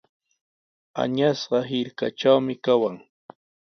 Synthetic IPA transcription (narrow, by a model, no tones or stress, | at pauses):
a̰ɲasɢɑɦɪɾkaʈ͡ʂawmɪkawaŋ